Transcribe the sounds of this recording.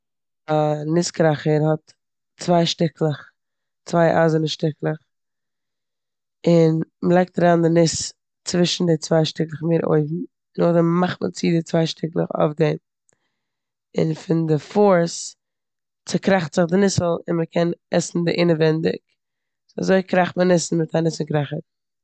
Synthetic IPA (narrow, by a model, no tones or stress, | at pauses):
anɪskɾaχəɾhɔt | t͡svaɪʃtɪklˠəχ | t͡svaɪʔa̰ːzənəʃtɪklˠəχ | ɪnməlˠaɪk̚taɾaːndɪnɪs | t͡svɪʃn̩dɪt͡svaɪʃtɪklˠəχmeːɾʔo̰ɪvm̩ | nʊχdɛmmaχmə̰t͡sidɪt͡svaɪʃtɪklˠə̰χɔ̰fden | ɪ̰nfɪndɪfɔɾs | t͡sɪkɾaχtz̥ɪχdɪnɪsl̩ˠɪnməkʰɛnɛsn̩dɪʔɪnəvɛndɪ̰k | a̰zoɪkɾaχmənɪsn̩mɪtanɪsl̩ˠkɾaχət